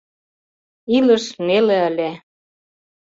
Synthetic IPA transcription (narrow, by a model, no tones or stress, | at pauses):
ilə̆ʃnelĕəlʲæ